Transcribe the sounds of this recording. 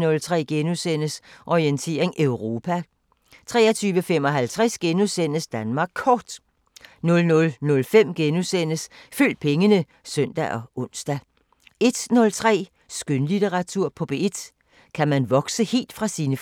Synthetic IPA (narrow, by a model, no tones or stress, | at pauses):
nɔ̽lt͡sʰʁɛ̰ːɡ̥enusen̰əsʔɒient͡sʰe̝̰ːɐ̰eŋʔøʊʁo̝ːpʰæ | t͡sʰʁɛ̰ːɐt͡sʰyːʋəfem̰ɒ̽ɦælt͡sʰʁɛsɡ̥enusen̰əsd̥ænmɑ̈ːɡ̥̚ʰɒːd̥ | nɔ̽lnɔ̽lnɔ̽lfem̰ɡ̥enusen̰əsføl̰d̥̚pʰeŋənə | sœn̰d̥æʔɒ̽ʔɔ̽n̰sd̥æ | e̝d̥nɔ̽lt͡sʰʁɛ̰ː | sɡ̥ønlideʁɑ̈t͡sʰuɐ̰pʰɒ̽b̥eed̥ | kʰæmænʋɒ̽ɡ̥səhe̝̰ːld̥fʁɑ̈siːnəf